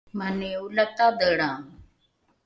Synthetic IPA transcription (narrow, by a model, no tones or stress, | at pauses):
mənẽːulət̪aːd̪əːɽãː